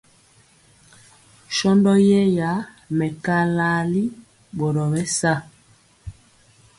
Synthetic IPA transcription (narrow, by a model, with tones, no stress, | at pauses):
ʃɔ˦ndɔ˦jɛ˦ja˨˦ | mɛ˨ka˦la˦li˦ | ɓɔ˨ɾɔ˨wɛ˦sa˦˨